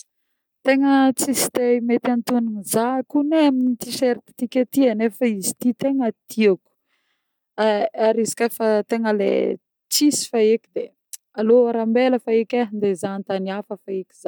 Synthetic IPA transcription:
t̪eŋət͡sisi̥t̪emet̪ant̪uninizakuneaminit̪iʃeɾt̪i̥t̪ikʲat̪ianefəizi̥t̪it̪eŋət̪ʰiaku̥ | aaɾizi̥kafat̪eŋəlḛ | t͡sisi̥faekʲid̪e | aloaɾambeləfaekʲaind̪ezant̪aniafəfaekʲi̥za

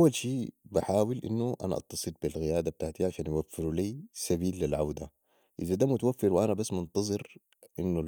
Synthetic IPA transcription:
awːalʃiːbaħaːwilʔḭnːuʔa̰na̰ʔɑ̰t̪ːɑsˤɨlbilɣɪjaːd̪ab̚t̪aʕt̪iʕaʃaːnjwafːiɾuliːsabiːlːilʕawd̪a | ʔɪzad̪aːmut̪awafːɪɾwʔanabasːmʊnt̪ɑzˤɨɾ | ʔinːu

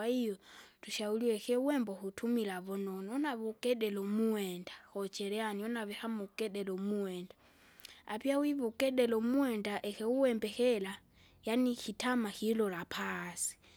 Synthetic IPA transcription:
aijɔtʰuʃauliwɛxɛuwɛmbɔhutʰumilaβɔnɔnɔɔnaβɔkʼɛɗɛlɔmuwɛndaxɔt͡ʃʰʼɛɾɛaniɔnaβɛhamukʼɛɗɛlɔmuwɛnda | a̰piawiβɔkʼɛɗɛlɔmuwɛndaʔɛxɛuwɛmbɛxɛla | janixitʰamaxilɔlapʰasi̥

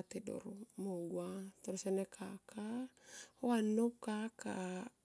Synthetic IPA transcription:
tedo̰ɾomoɡwatoɾosɛnɛkʰakʰahoanokaka̰

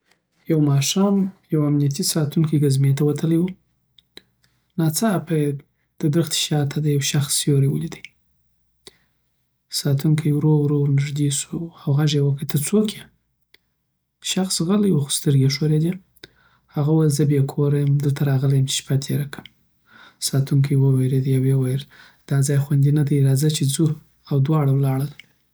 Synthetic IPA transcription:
jawmɑʃɑmjawamnijat̪isɑt̪uŋkijɡazmet̪awat̪ʰəlajwu | nɑt͡sapa | d̪̥əd̪ɾəxt̪i̥ʃɑt̪ʰad̪əjawʃaxsjoɾewəlid̪əj | sɑt̪ʰuŋkʰajɾoɾoɾnɪʐd̪isuawɣaʒewəkət̪ʰəɾt͡sokʰe | ʃaxsɣalajwuxʊ̥st̪əɾɡeʂoɾed̪e | haɣawalzəbekʰoɾajəmd̪əlt̪aɾɑɣəlajəmt͡ʃe̥ʃpat̪ʰeɾakʰəm | sɑt̪ʰuŋkʰəjwəweɾed̪jawewajəl | d̪̥ɑd͡zɑjxwand̪inad̪ajɾɑzat͡ʃed͡zu | awd̪wɑɽawlɑɽəl

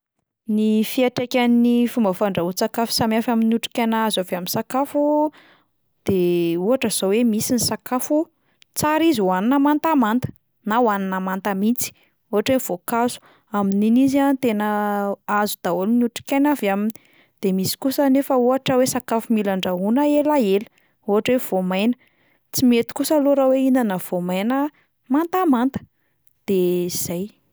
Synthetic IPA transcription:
nifiaʈ͡ʂekʲanifumbəfaɳɖ͡ʐaɦut͡sakafu̥samjafaminuʈ͡ʂi̥kʲanazaveaminsakafu | d̪̥euɦaʈ͡ʂəz̥owemisinisakafu | t͡saɾizuwaninamant̪amant̪ə̥ | nawaninamant̪amit͡si̥ | uɦaʈ͡ʂwev̥okasu̥ | amininiziant̪enəazud̪̥aolnuʈ͡ʂi̥kʲanavamini̥ | d̪̥emisi̥kusənefəuɦaʈ͡ʂəwesakafumilaɳɖ͡ʐaunaelaelə | uɦaʈ͡ʂwev̥omajnə | t͡simet̪i̥kusaloɾaweinanəv̥omajnə | mant̪amant̪ə̥ | d̪̥eiz̥aj

